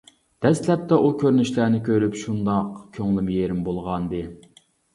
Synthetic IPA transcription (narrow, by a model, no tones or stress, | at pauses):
d̪̥ɛst̪lɛp̚t̪ʰɛʔukʲʰøɾnyʃlænɪkʲʰøɾypʃund̪ɑqkʲʰøŋlɪmjeɾɪmbolˠʁɑnd̪ɨ